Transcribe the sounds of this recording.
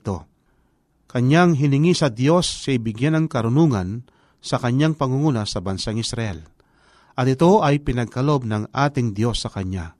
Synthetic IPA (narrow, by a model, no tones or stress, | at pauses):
t̪o̞ | kɐɲaŋɦɪnɪŋisɐd̪jo̞sːaɪjbɪɡjanɐŋkɐɾʊnuːŋɐn | sɐkɐɲːaŋpɐŋʊŋuːnɐsɐbɐnsaŋɪsɾɐʔɛ̰l | ʔɐt̪ɪt̪o̞ʔɐjpɪnɐɡ̚kɐlo̞b̚nɐŋʔaːt̪ɪŋd̪jo̞sːɐkɐɲa̰